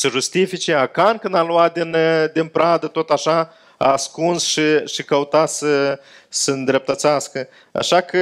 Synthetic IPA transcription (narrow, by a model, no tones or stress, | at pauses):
səʒust̪ifit͡ʃeakankɨnd̪aluat̪̚d̪ind̪inpɾad̪ət̪ot̪aʃa | a̰ːskunsʃiʃikəut̪asə | sənd̪ɾep̚t̪ət̪saskə | a̰ʃakə